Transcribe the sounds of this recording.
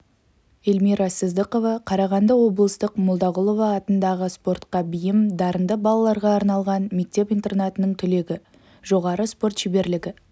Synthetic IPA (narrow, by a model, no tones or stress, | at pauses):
elmiɾɑsəzd̪əqo̞vɑqʰɑɾɑʁɑnd̪əwo̞blˠəst̪əqmolˠd̪ɑʁʊlˠovɑːt̪ənd̪ɑʁəspo̞rt̪qɑbijɪmd̪ɑɾənd̪əbɑlˠɑlˠɑɾʁɑːɾnɑlˠʁɑnme̞k̚t̪e̞pijnt̪e̞rnɑt̪ənəɴt̪ʰʏle̞ɡʲɪ | ʒo̞ʁɑɾəspo̞rt̪ʒ̥ebe̞ɾlɪɡʲɪ